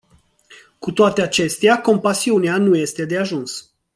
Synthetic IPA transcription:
kut̪oat̪e̞at͡ʃe̞st̪eako̞mpasiuneanuje̞st̪e̞d̪eaʒuns

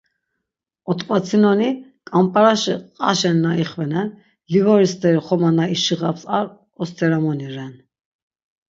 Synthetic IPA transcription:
ɔt̪ʼkʼwat͡sʰinɔnikʼampʼaɾaʃɛqʼa̰ʃɛnːaiχvɛnɛn | livɔɾist̪ʼɛɾiχɔmanaiʃiʁapsaɾ | ɔst̪ʰɛɾamɔniɾɛn

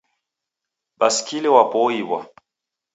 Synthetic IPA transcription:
baskʰilewapɔibwa̰

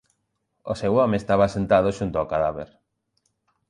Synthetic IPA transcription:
osewomeest̪aβasent̪að̞oʃunt̪oakaðaβḛɾ

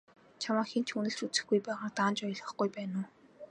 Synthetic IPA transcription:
t͡ɕʰamaːxen̥t͡ɕʰxunɘ̆ɬt͡ɕut͡sɘ̆xɡujpæːʁaːt̪aːnt͡ɕɔj̆ɮʁɞ̆χɡujpæːnʊː

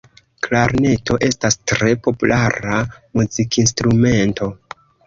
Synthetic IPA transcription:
klaɾne̞to̞ʔe̞stastɾe̞po̞pulʔaɾamuzikʰins̬tɾume̞nto̞

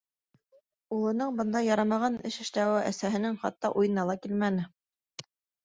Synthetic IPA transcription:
ulˠɤ̆nɤɴbɤ̆nd̪ɑjɑɾɑmɑʁɑnɘʃɘ̆ʃt̪æwɘʔæsæɦɘ̆nɘŋχɑ̰t̪ːɑʔujɤ̆nɑlˠɑkilmænɘ

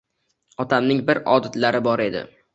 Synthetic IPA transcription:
ɒt̪ʰamnɪŋbɪɾɒd̪ɪt̪laɾɪbɒɾe̞d̪ɪ̰

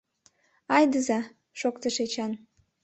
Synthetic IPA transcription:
ɑjd̪əzɑ | ʃokt̪əʃet͡ɕɑn

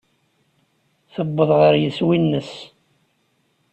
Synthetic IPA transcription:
θəbːəðˤʁəɾjəswinːəs

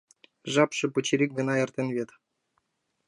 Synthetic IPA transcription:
ʒɑpʃɤ̆pŭt͡ɕiɾʲik̚ʲɡɤ̆nɑert̪ʲĕnβʲet̪

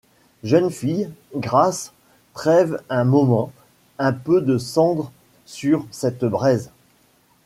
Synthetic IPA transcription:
ʒənfijɡʁas | tχɛvɛ̃mɔmɑ̃ | ɛ̃pød̪əsɑ̃d̪ʁ | syʁsɛt̪bʁɛz

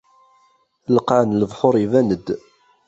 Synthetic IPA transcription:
ləqaʕnləvħʊɾˤivænəd̪

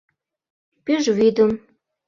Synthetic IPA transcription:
pyʒβid̪ə̆m

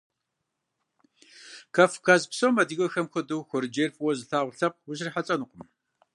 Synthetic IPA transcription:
kʰɐfkʰazpsowmɐdɨɣɐxɐmxʷɐduwxʷɔɾd͡ʒerfʼwɔzɨɬaːʁʷʊɬɐq̚wʊɕriħat͡sʼɐnɨqʷʊm

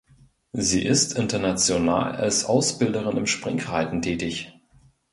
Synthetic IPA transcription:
ziːʔɪstʰɪntɐnat͡sjona̰ːla̰lsʔaʊsb̥ɪldəʁ̞ɪnɪmʃpʁ̥ɪŋkʁaɪtn̩tʰɛːtɪç

